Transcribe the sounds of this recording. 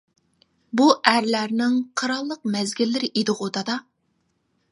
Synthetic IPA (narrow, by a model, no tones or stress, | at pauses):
buʔæɾlæɾnɪŋqʰɑɾɑlˠːəq̚mɛzɡʲɪlːɪɾɪʔed̪ɨʁod̪ɑd̪ɑ